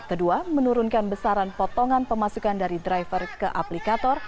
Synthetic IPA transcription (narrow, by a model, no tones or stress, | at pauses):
kəduamənuɾunkanbəsaɾanpɔt̪ɔŋanpəmasukandaɾidɾajfərkəʔaplikat̪ɔr